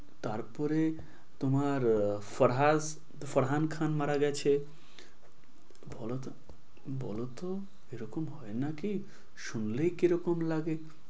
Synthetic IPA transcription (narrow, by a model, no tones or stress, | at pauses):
t̪aɾpɔɾe | t̪omaɾfɔɾɦaz | fɔɾɦankʰanmaɾaɡɛt͡ɕʰe | bʱɔlot̪ | bɔ̰lot̪o | eɾɔkomɦɔenaki | ʃunlejkiɾɔkomlaɡe